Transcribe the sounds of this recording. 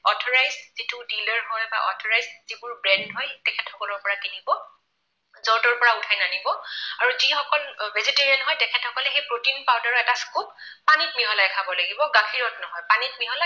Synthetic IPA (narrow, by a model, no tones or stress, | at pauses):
ɔtʰɔɹajzzitʰʊdilɔɹɦɔjba̰ʔɔ̰tʰɔɹajzzibʊɹbɹɛndɦɔjtɛkʰɛtʰɔkɔlɔɹpɔɹakinibɔ | zɔtɔɹpɔɹaʊtʰajnanibɔaɹuzixɔkɔlbʱɛziteɹiɔnɦɔjtɛkʰɛthɔkɔlɛxejpɹotinpawdaɹɔɛtaskopː | anit̚miɦɔlajkʰabɔlaɡibɔɡakʰiɹɔtnɔɦɔjpanit̚miɦɔla